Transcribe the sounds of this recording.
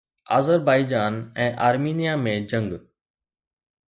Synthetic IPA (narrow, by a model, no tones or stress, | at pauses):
a̰ːzəɾbaːɪd͡ʑaːnɛ̃ːʔaːɾmiːnijamẽd͡ʑɐ̃ŋɡ